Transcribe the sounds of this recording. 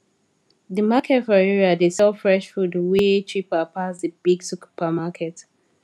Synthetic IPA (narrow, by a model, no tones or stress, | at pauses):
dəmakʰɛtfɔɹɛɹiadesɛfɹɛʃfudwetʰɹipapʰasdəbiɡsuku̥pʰamakʰɛt